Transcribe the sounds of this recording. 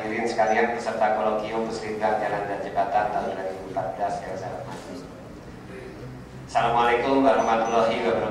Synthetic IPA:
iɾɪnsə̥kalian̚bərsərt̪akɔlɔŋkiʊpəsəɾit̪ahd͡ʒalandand͡ʒəbat̪ant̪alʊmlaɡimpat̪̚bəlaskəsalamati | salamualekʊmbaɾahmat̪ulɔɦiwabəɾ

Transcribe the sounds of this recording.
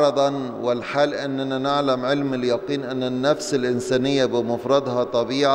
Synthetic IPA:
ɾˤɑd̪ˤɑn | wɪlħaːlʔɪnːananaʕlamʕɪlmaljɑqiːnʔanːanːafsɪlʔɪnsaːnɪjːabɪmʊfɾˤɑd̪ˤhɑt̪ˤɑbiːʕa

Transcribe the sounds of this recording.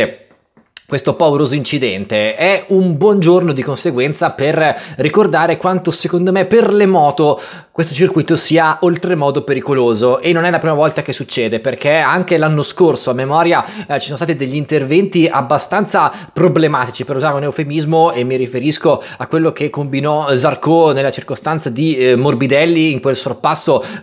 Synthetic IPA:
kwest̪opaveɾoːzoint͡ʃid̪ɛnt̪eɛumbwɔnd͡ʒornod̪ikonseɡwɛnt̪saperːikord̪aːɾekwant̪osekond̪omeperlemɔːt̪o | kwest̪ot͡ʃirkujt̪osiːaʔolt̪ɾemɔːd̪opeɾikoloːzoʔenːonɛlapɾimavɔlt̪ak̟esːut͡ʃːɛːd̪eperk̟eaŋkelanːoskorsoamemɔːɾjat͡ʃisɔnst̪aːt̪id̪eʎːiːnt̪ervɛnt̪iabːast̪ant̪sapɾoblemaːt̪it͡ʃipeɾuzaːɾeunewfemizmoemːiɾifeɾisko | akwelːokekːombinɔzarkonelːat͡ʃirkost̪ant̪sad̪imorbid̪ɛlːiːŋkwelsorpasːo

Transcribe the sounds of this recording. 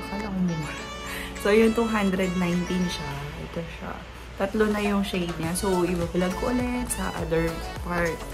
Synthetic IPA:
kalɐkʊmɪna | sojʊŋt̪uɦand̪ɾɛd̪̚najnt̪inʃɐɛ̰t̪oʃa̰ | t̪ɐt̪lonɐjʊŋʃejd̪̚ɲasoʔɪbablɐɡ̚koʔɐlɛt̪sɐ̰ʔa̰d̪ɛɹpaɹt̪̚

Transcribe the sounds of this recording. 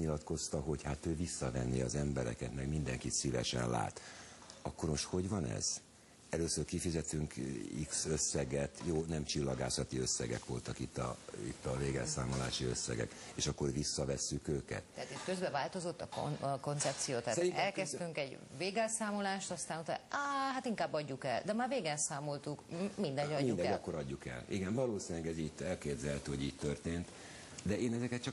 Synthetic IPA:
ɲilɒt̪ko̞st̪ɒɦo̞chat̪øːvisːɒvɛnːiɒzɛmbɛɾɛ̰kɛt̪mɛɡmind̪ɛŋkit̪sivɛ̰ʃɛ̰nla̰ːt̪ɒkːo̞rɾmo̞ʃt̪ho̞ɟvɒnɛ̰z̥ | ɛløːsørkifizɛt̪yŋkḭksøsːɛɡɛt̪joːnɛmt͡ʃilːɒɡa̰ːsɒt̪iøsːɛɡɛ̰kʋo̞lt̪ɒkit̪ːɒ̰ḭt̪ːɒveːɡɛlsaːmola̰ːʃiøsːɛ̰ɡɛ̰keːʃɒkːo̞rʋisːɒvɛsːykøːkɛ̰t̪ɛɦat̪it̪køzbɛvaːlt̪o̞zo̞t̪ːɒko̰nko̞nt̪sɛp̚t̪sijoːt̪aːtɛlkɛst̪yŋkɛɟveːɡɛlsaːmolaːʃt̪ɒst̪aːnut̪aaɦat̪iŋkaːbːɒɟːukɛld̪ɛmaːrveːɡɛnsaːmo̞lt̪ukmind̪ɛɟɒːud̪ɛɒkːoɾɒɟːukɛ̰liɡɛnvɒloːsinlɛɡɛziːɟ̚t̪ɛlkeːd̪zɛlt̪hoɟiːɟ̚t̪ø̞rt̪eːnt̪ | d̪ɛeːnɛzɛkɛt̪t͡ʃɒ

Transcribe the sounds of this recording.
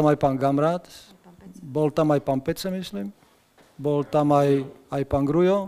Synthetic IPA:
amajpaŋɡamɾat̪ | bolt̪amajpampɛt͡semislim | bolt̪amajajpaŋɡɾujo

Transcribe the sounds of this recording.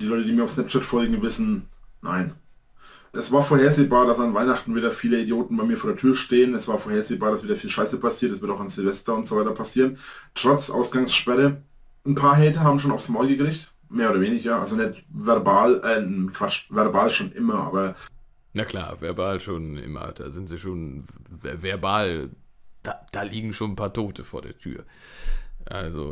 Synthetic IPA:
d̥iːlɔʏtədiːmiːɐʊfsnɛp̚t͡ʃɛtfɔlɡŋ̩vɪsn̩na̰ɪn | ʔɛsv̥aːɐfoːɐheːɐzeːbaːɐɾasanvaɪnaχtn̩viːdɐfiːləidjoːtn̩baɪmiːɐfoɐdɛɐtʰyːɐʃteːənɛsv̥aːɐfoːɐheːɐzeːbaːɐɾasviːdɐfiːlʃaɪsəpʰasiːɐtɛsv̥ɪɐtaʊxanzɪlvɛstɐʊntz̥ovaɪtɐpʰasiːʁəntʁ̥ɔt͡sʔa̰ʊsɡ̥aŋsʃpɛʁə | n̩pʰaːɐɦɛːtəɦaːbm̩ʃoːnaʊfsmɔɐɡəɡəʁɪçt | meːɐoːdɐveːnɪçɐʔa̰lzonɛtvɛɐbaːlʔɛːkʰv̥at͡ʃvɛɐbaːlʃoːnʔɪmɐʔa̰ːbɐ | nakʰl̥a̰ːvɛ̰ɐbaːlʃoːnʔɪ̰mɐ̰d̥a̰ːzɪntz̥iːʃoːn | vɛɐbaːld̥aːd̥aːliːɡŋ̩ʃoːnn̩pʰaːɐtʰoːtʰəfoːɐdḛːɐtʰy̰ːɐ | ʔa̰lzo̰

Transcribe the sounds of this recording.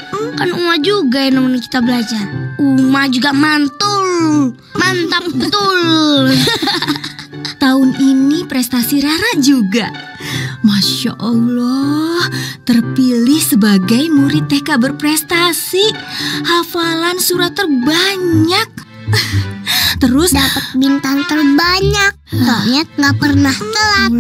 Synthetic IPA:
ukanumad͡ʒuɡajanamanki̥t̪abəlad͡ʒarumahd͡ʒuɡamant̪ʊl | mant̪ap̚bət̪ʊl | t̪aʊninipɾɛst̪asiɾaɾaʔd͡ʒuɡa | maʃa̰ʔalɔht̪ərpilɪhsəbaɡajmuɾit̪ːehkabərpɾɛst̪asihafalansuɾat̪ːərbaɲak̚ | t̪əɾʊsdapət̪̚bint̪aŋt̪ərbaɲak̚aɲat̪̚ŋapərnaht̪əla

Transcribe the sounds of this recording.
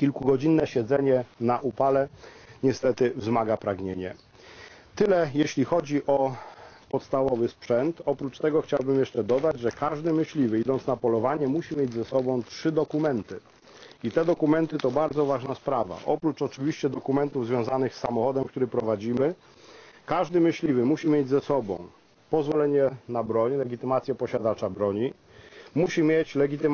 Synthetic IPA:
kʲilkuɡɔd͡ʑinːɛɕɛd̪zɛɲɛnaʔupalɛɲɛst̪ɛt̪ɘvzmaɡapɾaɡɲeɲɛ | t̪ɘlɛjeɕlʲixɔd͡ʑiʔɔpɔt̪st̪avɔvɘspʂɛnt̪ɔpɾut͡ʂt̪ɛɡɔxt͡ɕawbɘmjɛʂt͡ʂɛd̪ɔd̪ad͡ʑʐɛkaʐd̪ɘmɘɕlʲivɘid̪ɔnt̪snapɔlɔvaɲɛmuɕimʲjed͡ʑʲzɛsɔbɔ̃w̃tʂɘd̪ɔkumɛnt̪ɘ | it̪ɛd̪ɔkumɛnt̪ɘt̪ɔbaɾd̪zɔvaʐnaspɾava̰ʔɔpɾut͡ʂɔt͡ʂɘvʲiɕt͡ɕɛd̪ɔkumɛnt̪uvzvjɔ̃w̃zanɘxsːamɔxɔd̪ɛmk̚t̪uɾɘpɾɔvad͡ʑimɘ | kaʐd̪ɘmɘɕlʲivɘmuɕimʲjed͡ʑzɛsɔbɔ̰̃w̃ | pɔzvɔlɛɲɛnabɾɔɲlɛɡʲit̪ɘmat̪sʲjɛpɔɕad̪at͡ʂabɾɔɲi | muɕimʲjet͡ɕlɛɡʲit̪ɘ

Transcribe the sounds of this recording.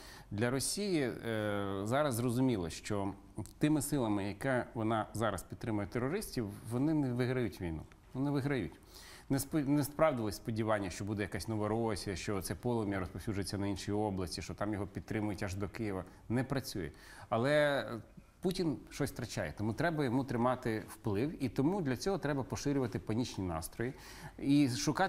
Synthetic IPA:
d̪lʲɐɾɔsʲiji | zɑɾɐzzrɔzʊmʲilˠɔʃt͡ʃɔ | t̪ɪmɪsɪlˠɐmɪjɐkɛʋɔnɑzɑɾɐspʲid̪t̪ɾɪmʊjɛt̪erːɔɾɪsʲtʲiwʋɔnɪnɛʋɪɦɾɐjutʲʋʲijnṵ | ʊnɛʋɪɦɾɐjutʲ | nɛspnɛspɾɑwd̪ɪlˠɔsʲspɔdʲiʋɑnʲːɐʃt͡ʃɔbud̪ɛjɐkasʲnɔʋɔɾɔsʲiɐʃt͡ʃɔt̪sɛpɔlˠɔmʲijɐɾɔspɔwsʲud͡ʒʊjet͡sʲːɐnɐinʃijiɔblˠɐsʲtʲiʃt͡ʃɔt̪ɑmjɔɦɔpʲid̪t̪ːɾɪmʊjʊtʲɐʒd̪ɔkɪjɪʋɐ | nɛpɾɐt͡sʲujɛ | ɐlˠɛ | putʲinʃɔsʲt̪ɾɐt͡ʃa̰jɛt̪ɔmut̪ɾɛbɐjɔmut̪ɾɪmɑt̪ɪwplˠɪwit̪ɔmud̪lʲɐt͡sʲɔɦɔt̪ɾɛbɐpɔʃɪɾʲʊʋɐt̪ɪpɐnʲit͡ʃnʲinɑ̰st̪ɾɔji | iʃʊkɑ

